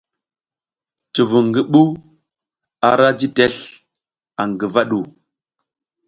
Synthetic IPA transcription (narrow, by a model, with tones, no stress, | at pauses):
t͡ʃu˨vu˨ŋɡi˦ɓu˦ | a˨ɾa˦d͡ʒi˦te˦ɬ | a˨ŋɡi˨va˦ɗu˨